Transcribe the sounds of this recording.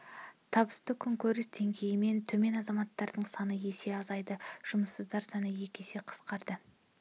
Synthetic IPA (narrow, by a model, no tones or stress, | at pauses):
t̪ʰɑbəst̪əkʲʰʏŋkʲʰɵɾɪsd̪e̞ŋɡʲe̞jɪme̞nt̪ʰɵme̞nɑzɑmɑt̪ːɑɾd̪əɴsɑnəe̞se̞ɑzɑjd̪əʒ̥ʊməsːəzd̪ɑɾsɑnəje̞kʲe̞se̞qʰə̥sqɑɾd̪ə